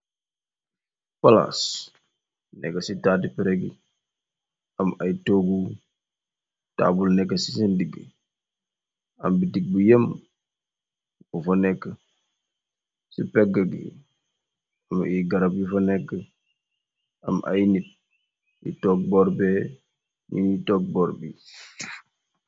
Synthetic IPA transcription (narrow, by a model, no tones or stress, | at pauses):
pala̰s | nɛ̰kːɐsitaːdipɛɾeɡḭ | ɐmajitoɡu | ta̰ːbulnɛkːəsisindiɡi | ɐ̰mbidiɡ̚bujəm | bufɔnɛkːə | sipɛɡaɡḭ | amiɡaɾabjifɔnɛkːə | amʔa̰jnit̚ | jḭtɔk̚bɔɾbɛ | mḭnitɔk̚bɔɾbi